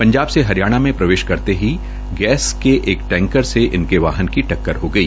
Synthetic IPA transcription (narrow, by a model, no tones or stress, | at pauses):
pɐ̃ɲd͡ʒaːbseɦɐɾijaːɽ̃amẽpɾɐʋeːʃkɐɾt̪eɦi | ɡɛːskeʔeːkʈɛ̃ːŋkəɾseʔɪnkeʋaːɦənkiʈɐkːəɾɦoɡɐiː